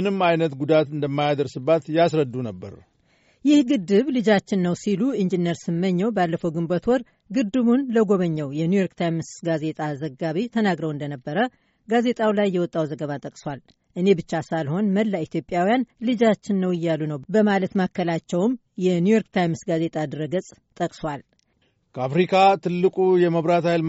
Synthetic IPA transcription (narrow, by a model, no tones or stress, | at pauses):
mɨnɨmajnət̪ɡud̪at̪ɨnd̪əmːajad̪əɾsɨbːat̪jasɾəd̪ːunəbːə̰ɾ | jɪhɡɨd̪ɨβlɨd͡ʒat͡ʃːɪnːəwsiluind͡ʒinəɾsɨmːəɲːɛwbalːəfəwɡɨmbət̪ʰwɔɾ | ɡɨd̪ːɨβunləɡo̞βəɲːɛwjɛnujo̞ɾkt̪ʰajmsɡaze̞t̪ʼazəɡaβit̪ʰənaɡɾəwɨnd̪ənəbːəɾə | ɡaze̞t̪ʼawlajːɛwɔt̪ʼːawzəɡəβat̪ʼəkʼswal | ʔɨne̞bɨt͡ʃːasalho̞nməlːait̪ʰjo̞pʼːjawijanlɨd͡ʒat͡ʃːɪnːəwɪjːalunəwbəmalət̪makːəlat͡ʃːɛwm | jɛnujo̞ɾkt̪ʰajmsɡaze̞t̪ʼad̪ɨɾəɡət͡sʼ | t̪ʼəkʼswal | kʰəafɾikʰat̪ʰɨlːɨkʼujɛməβɾat̪hajl